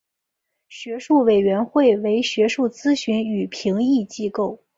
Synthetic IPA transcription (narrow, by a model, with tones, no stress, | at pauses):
ɕɥɛ˧˥ʂu˥˩we˨˩ɪɥɛ˧˥nxwe˥˩ɪwe˧˥ɪɕɥɛ˧˥ʂu˥˩t͡sɹ̩˥ɕy˧˥ny˨˩pʰi˧˥ŋi˥˧t͡ɕi˥ko˥˩ʊ